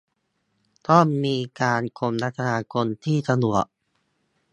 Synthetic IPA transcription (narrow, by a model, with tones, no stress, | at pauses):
t̪ɔ˥˩mːiː˧kaː˧nkʰo˧mna˦˥t̪ʰːa˧naː˧kʰo˧nt̪ʰiː˥˩sa˧nu˨˩ək̚